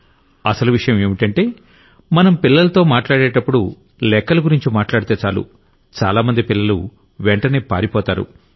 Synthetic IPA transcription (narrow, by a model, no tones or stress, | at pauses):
ɐsɐluʋiʂɐjɐme̞ːmiʈɐɳʈe̞ː | mɐnɐmpilːɐlɐt̪o̞ːmaːʈlaːɽeːʈɐpːuɽu | lɛkːɐlɐɡuɾiɲt͡ʃimaːʈlaːɽit̪e̞ːt͡ʃaːlṵ | t͡ʃa̰ːlaːmɐnd̪ipilːɐlṵ | ʋɛɳʈɐne̞ːpa̰ːɾipɔːt̪aːɾṵ